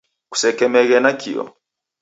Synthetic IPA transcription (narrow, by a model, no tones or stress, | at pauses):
ku̥sɛkɛmɛɣɛnakʰḭɔ̰